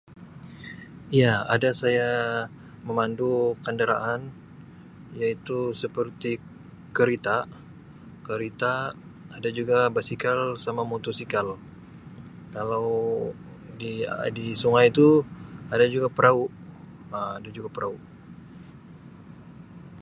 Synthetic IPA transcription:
ijaadasaja | məmandukandəɾa̰ʔan | jait̪usəpərt̪i | kəɾit̪a | kəɾit̪aː | dad͡ʒuɡabasikalsamamot̪usikal | kalaw | didisuŋajt̪uadad͡ʒuɡapəɾʔauʔ | əadad͡ʒuɡapəɾʔauʔ

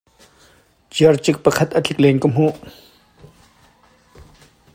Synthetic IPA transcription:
t͡ɕərt͡ɕək̚pəkʰat̪̚əɬʰək̚lenkəm̥o

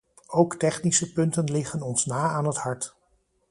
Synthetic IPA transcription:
owktɛχnisəpɵntənlɪχənɔnsnaːaːnəthɑɹt

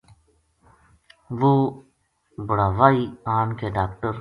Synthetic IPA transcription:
ʋo | bʊɽaːʋaːiaːnkeːɖaːkʈəɾ

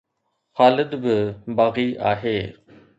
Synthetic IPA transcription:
xaːlɪd̪bɪbaːɣiːʔaːɦeː

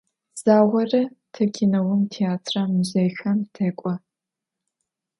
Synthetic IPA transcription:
z̥aːwɐrɐtʰɐkʲʰinɐwʊmtʰeaːtʰramuʑɐjxɐmtʰɐkʷʼɔ

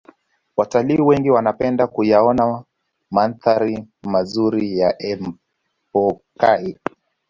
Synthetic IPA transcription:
wataliːwɛŋɡiwanapɛndakujaɔna | manθaɾimazuɾijaʔɛm | pɔkai

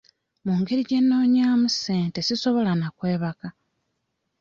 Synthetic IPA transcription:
muːŋɡeɾiɟe̞nːo̞ːɲaːmuse̞ːnte̞siso̞βo̞lanakwe̞ːβaka

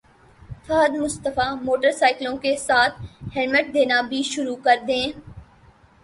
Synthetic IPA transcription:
t̪ʰaːd̪mʊst̪əfamoːʈəɾsaːɪklõkesaːt̪ʰhɛlməʈ̚d̪eːnabʱiʃʊɾukɐɾd̪ẽː

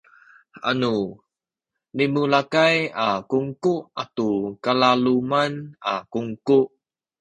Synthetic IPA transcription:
a̰nu | nimulakajakuŋkuʔatukalalumana̰kuŋkuʔ

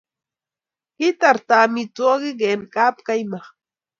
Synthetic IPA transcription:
hɪt̪aɾt̪aːmɪt͡soɢɪɢenkaːpkajmɑχ

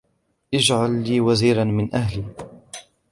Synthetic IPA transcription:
ʔɪd͡ʒʕalːiːwaziːɾanmɪnʔahliː

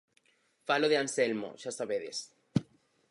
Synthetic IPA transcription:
faloð̞eanselmo̰ʃasaβeðḛs

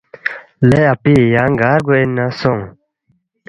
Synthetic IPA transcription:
lɛapijaŋɡaɡoɛnãsɔ̃ŋ

